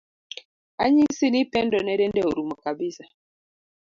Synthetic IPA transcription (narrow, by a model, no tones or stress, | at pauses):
aɲinsinipɛndɔnɛɾɛndɛuɾumakabisa